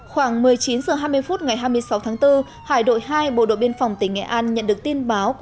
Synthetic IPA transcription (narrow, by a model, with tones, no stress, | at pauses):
xwaː˧˩ŋmɨ˨˩əjt͡ɕi˨˦nzəː˨˩ɦaː˧jmɨ˧əjfu˦˥t̚ŋa˨˩jɦaː˧jmɨ˧əjsa˨˦wt̪ʰaː˨˦ŋt̪ɨ˧ | haː˧˩jɗo̰˧˨jhaː˧jɓo̰˧˨ɗo̰˧˨ɓi˧ənfwŋ͡mt̪ï˧˩ŋ̟ŋɛ̰˧˩ʔaː˧nɲə̰˧˨nɗɨ˨˩ək̚t̪i˧ənɓaː˨˦w